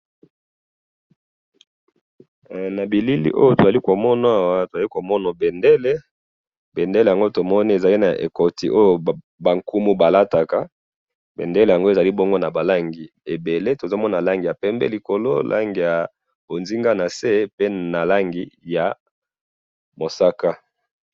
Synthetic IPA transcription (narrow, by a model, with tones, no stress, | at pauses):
na˨bi˨li˦lḭ˦ʔo̰˦jo˦to˨za˨li˦ko˨mɔ˦na˦a˦˨wa˦to˨za˨li˦ko˨mɔ˦nɔ˨be˨nde˦le˦ | be˨nde˦le˨ja˨ŋɡo˦to˨mɔ˦ni˦e˨za˨li˦na˨ʔḛ˨ko˨tḭ˦ʔo˦jo˦˨ | ba˨ŋku˦mu˦ba˨la˦ta˨ka˦ | bḛ˨nde˦le˨ja˨ŋɡo˦e˨za˨li˦bo˦ŋɡo˦na˨ba˨la˦ŋɡi˨ | e˨be˨le˦to˨zo˦mɔ˦na˨la˦ŋɡi˨a˨pɛ˦mbɛ̰˦li˨ko˨lo˦lʔa̰˦ŋɡi˨ja˨ | bo˨nzi˦ŋɡa˦na˨se˦pe˦na˨la˦ŋɡi˨˦ja˨ | mo˨sa˦ka˦